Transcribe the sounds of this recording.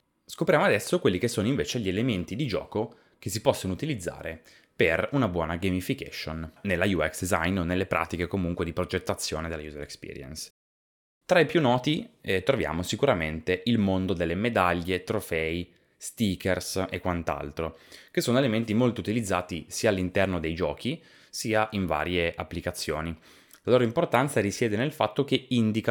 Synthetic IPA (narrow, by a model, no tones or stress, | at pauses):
skopɾjaːmoad̪ɛsːokwelːikesːoːnoiɱveːt͡ʃeʎːielement̪id̪id͡ʒɔ̰ːko | k̟es̬ipɔsːonout̪ilid̪zːa̰ːɾe | perunabwɔːnaɡemifikɛ̰ʃonːelːajuɛksd̪iza̰jnonelːepɾʔa̰ːt̪ikekomuŋkwed̪ipɾod͡ʒet̪ːat̪sːjoːned̪elajuzolekspḭːɾjḛns | t̪ɾaipjunːɔːt̪it̪ɾovja̰ːmosikuɾament̪eʔilmond̪od̪elːemed̪aʎːet̪ɾofɛi | st̪iːkersekːwant̪a̰lt̪ɾok̟esːoːnoelement̪imolt̪out̪ilid̪zːaːt̪isiːaːlːint̪ɛrnod̪ejd͡ʒɔːk̟i | siːaʔiɱva̰ːɾjeʔapːlikat̪sːjo̰ːni | laloːɾoimport̪ant̪saɾisjɛːd̪enelfat̪ːok̟eind̪ika